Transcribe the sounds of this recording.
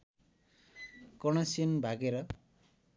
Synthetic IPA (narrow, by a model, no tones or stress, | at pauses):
kɔɽ̃ʌsinbʱaɡeɾʌ